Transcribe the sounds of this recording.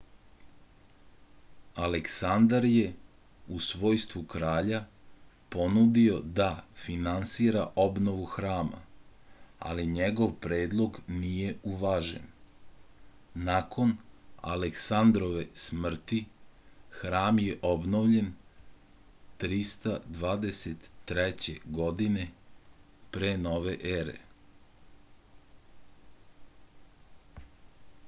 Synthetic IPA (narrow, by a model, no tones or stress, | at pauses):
aleksand̪aɾje̞ | usʋo̞ːjst̪ʋukɾaːʎa | po̞nud̪io̞d̪afinansiɾaʔo̞bno̞ʋuxɾaːma̰ | a̰liɲeɡo̞ʋpɾe̞ːd̪lˠo̞ɡnije̞uʋaʒḛn | nako̞na̰leksand̪ɾo̞ʋesmr̩t̪i | xɾaːmjeʔobnoʋʎe̞n | t̪ɾist̪ad̪ʋaːd̪e̞set̪ːɾɛt͡ɕe̞̰ɡo̞d̪ine̞ | pɾeːnoːʋeʔeɾḛ